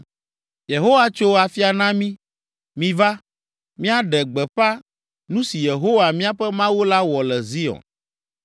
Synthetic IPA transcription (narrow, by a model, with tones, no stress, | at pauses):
je˨ɦo˦wa˦t͡ʃo˦a˨fi˦a˨nã˦mĩ˦ | mĩ˨va˦ | mĩ˦a˦ɖɛ˨ɡ͡bɛ˨ɸa˦ | nũ˦si˨je˨ɦo˦wa˨mĩ˦a˦ɸɛ˦mã˦wo˦la˦wɔ˨lɛ˨zi˦ɔ̰˨n